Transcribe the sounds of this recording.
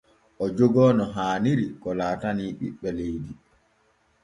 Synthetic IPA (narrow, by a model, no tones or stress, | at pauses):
ʔɔd͡ʒɔɡɔːnɔɦaːniɾikɔlaːtaniːɓḭɓːɛlejdi